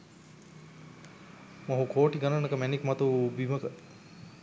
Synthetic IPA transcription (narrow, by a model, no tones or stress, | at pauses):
moɦukʰoːʈiɡanənəkəmɛnikmat̪ubiməkə